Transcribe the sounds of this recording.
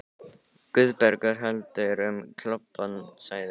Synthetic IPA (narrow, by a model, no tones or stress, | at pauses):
kʏðpɛɾkaɾ̥ɦɛlt̪ʏɾʏmkʰlɔpːansaːjðɪ